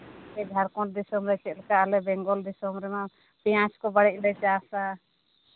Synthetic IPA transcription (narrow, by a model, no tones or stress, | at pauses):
ɛd͡ʒʱaɾkɔ̃ʈ̚d̪isɔmɾɛt͡ʃɛt̪lkaalɛbɛŋɡɔld̪isɔmɾɛma | pijãt͡ʃkɔbaɽic̚ˀlɛt͡ʃasa